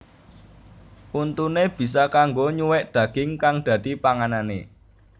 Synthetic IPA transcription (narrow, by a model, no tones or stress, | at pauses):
ʔunt̪uneb̥i̤sakaŋɡoɲuwɛʔd̪̥ä̤ɡ̥ɪŋkaŋd̪̥ä̤d̪̥i̤paŋananḛ